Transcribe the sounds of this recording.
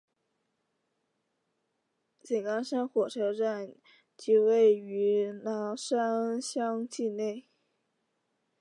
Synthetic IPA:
t͡ɕɛ˨˩nkɑ˥nʂa˥nxwɔ˨˩ʈ͡ʂʰɤ˧˥ʈ͡ʂa˥˩n | t͡ɕi˧˥we˥˩ɪy˧˥nɑ˧˥ʂa˥nɕjɑ˥ŋt͡ɕi˥˧ne˥˩ɪ

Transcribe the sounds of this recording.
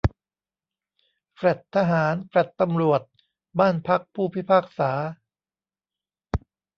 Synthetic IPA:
kɾa˨˩t̪ʰːa˧ɦaː˩˦nkɾa˨˩t̪ːa˧mɾu˨˩ət̪̚ | baː˥˩npʰa˦˥k̚pʰuː˥˩pʰi˦˥pʰaː˥˩k̚saː˩˦

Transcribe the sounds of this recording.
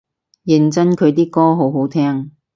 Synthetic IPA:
jɪ˨˩ŋt͡sɐ˥nkʰɵ˨˧t̪iː˥kɔː˥ɦo˨˥wɦo˨˥wt̪ʰɛː˥ŋ

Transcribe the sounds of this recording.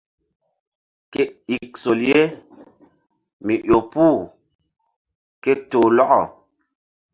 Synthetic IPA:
ke˦i˨k̚so˨lje˦ | mi˨ʔjo˨pu˦˨ | ke˦toː˨lɔ˦ʔɔ˨

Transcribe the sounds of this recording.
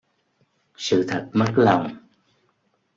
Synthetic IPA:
sɨ̰˧˨t̪ʰə˨˩t̚mə˦˥t̚la˨˩wŋ͡m

